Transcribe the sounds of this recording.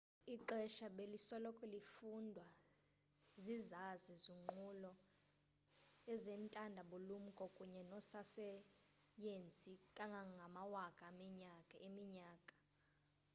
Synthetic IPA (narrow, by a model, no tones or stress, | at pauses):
iǃɛʃaɓelisɔlɔkʼɔlifundʱwa | zizazizuŋ͡ǃulɔ | ɛzɛntʼandʱaɓulum̩kʼɔkʼuɲɛnɔsasɛ | jent͡sʼikʼaŋɡʱaŋɡʱamawakʼaːmiɲakʼaemiɲaːkʼḁ